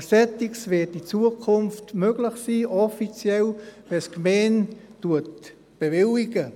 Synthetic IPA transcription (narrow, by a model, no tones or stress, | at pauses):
sɛtɪksvɪtit͡suəkʰʊnftmøɡlɪxsiːʔɔfit͡sjɛlvɛskmeːntuət̚ | b̥evɪliɡə